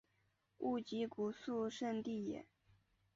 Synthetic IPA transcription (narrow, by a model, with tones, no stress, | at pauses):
u˥˩t͡ɕi˧˥ku˨˩su˥˧ʂə˥˧nt̪i˥˩jɛ̰˨˩˦n